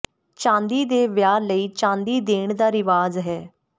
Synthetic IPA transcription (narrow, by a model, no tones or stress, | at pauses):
t͡ʃãːnd̪iːd̪eːʋjaːɾləiːt͡ʃãːnd̪iːd̪eːɳd̪aːɾɪʋaːzɦɛː